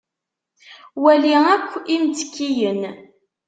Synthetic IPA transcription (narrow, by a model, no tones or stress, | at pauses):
wæliækʷːimt͡s̪ə̥kːijən